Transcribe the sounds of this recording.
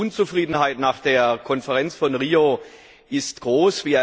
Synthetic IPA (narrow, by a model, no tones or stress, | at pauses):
ʊnt͡sufʁ̥iːdn̩haɪtnaːχd̥eːɐkʰɔnfəʁɛnt͡sfɔnʁiːo | ʔɪstɡ̥ʁoːsv̥iːa